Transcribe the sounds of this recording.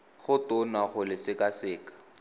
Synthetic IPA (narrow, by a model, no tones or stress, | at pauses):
χʊtʊnaχʊlɪsɪkasɪːkḁ